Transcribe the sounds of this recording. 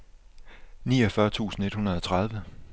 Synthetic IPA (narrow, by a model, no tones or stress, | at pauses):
niːɒfɶɐt͡sʰṵːsn̩e̝d̥hunɐð̞ˠɒ̽t͡sʰʁað̞ˠʋə